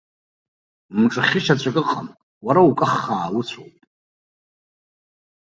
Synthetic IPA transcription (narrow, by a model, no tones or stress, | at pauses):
mʈ͡ʂʼɨχʲɪʃat͡ɕʷʰʼakʼɨqʼa̰m | waɾaukʼɨχːaːwut͡ɕʷʰowpʼ